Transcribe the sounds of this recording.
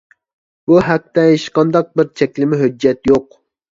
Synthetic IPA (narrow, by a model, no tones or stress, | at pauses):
buɦɛk̚t̪ɛeʃqɑnd̪ɑq̚bɪɾt͡ʃʰɛkʲlɪmɪɦød͡ʒːɛt̪joq